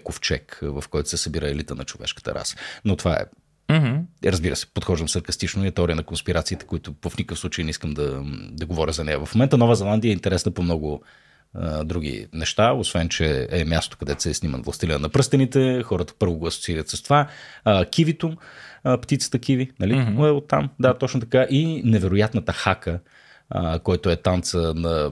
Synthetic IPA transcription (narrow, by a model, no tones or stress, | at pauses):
koft͡ʃɛ̰kvəfkɔjt̪ʊ̥sɛsɐbiɾəɛlit̪ənɐt͡ʃovɛ̰ʃkə̥t̪ə̰ɾʔa̰sə̥not̪ovaɛ̰ | m̩ɾəzbiɾə̰sɛ̥pot̪xɔʒd̪əmsɐɾkɐst̪it͡ʃnoiɐt̪ɛɔɾijənɐkonspiɾat̪siːt̪ɛ̥koit̪ʊvəfnikəfslˠut͡ʃəjnɛiskəmd̪ɐd̪ɐɡovɔɾʲəzɐnɛjɐvɐfmomɛnt̪ənɔvəzɛlˠand̪iəɛint̪ɛɾɛsnəpomnɔɡʊ | d̪ɾuɡ̟ḭnɛʃt̪aosvɛnt͡ʃɛɛmʲjast̪o̥kɐd̪ɛt̪sɛsnimə̰nvlˠɐ̰st̪ilʲḭnɐpɾɤst̪ənit̪ɛxɔɾət̪ə̥pɤɾvoɡʊɐso̥tsiiɾət̪səst̪ovakʲivit̪umpt̪it̪sə̥t̪əkivinɐliɛot̪ːamd̪at̪ɔt͡ʃnot̪ɐkaʔinɛvɛɾʊjat̪nət̪əxakə | kɔjat̪ʊɛt̪ant̪sənɐ